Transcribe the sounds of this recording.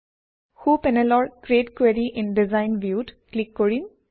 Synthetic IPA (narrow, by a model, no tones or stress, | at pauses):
hupɛnɛlɔɹkɾieʈkweɾiʔɪ̃nɖizaɪnʋjuːʈklikːɔɹim